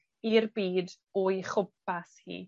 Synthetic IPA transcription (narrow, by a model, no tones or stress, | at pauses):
irbiːd | ojχʊp̚ashḭː